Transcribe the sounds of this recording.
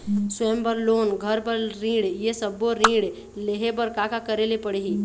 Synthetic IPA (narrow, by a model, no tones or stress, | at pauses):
sembəɾloːnɡʱəɾpəɾɾĩːɽjesəboɾĩːɽ | leɦebəɾkaːkakəɾelepəɽeɦiː